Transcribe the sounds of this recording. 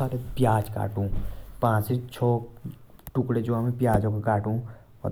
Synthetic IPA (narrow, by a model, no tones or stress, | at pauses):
aːɾepjaːd͡ʒka̰ːʈũːpãːt͡ʃit͡ʃʰɔː | ʈʊkɽed͡ʒoamẽpjaːd͡ʒõkokaːʈṵ̃